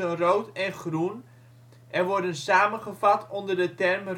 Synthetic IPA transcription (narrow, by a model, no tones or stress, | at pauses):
ənrowtɛnχrun | ʔɛnʋɔrdənsaːmənχəvɑtʰɔndərdətɛrmr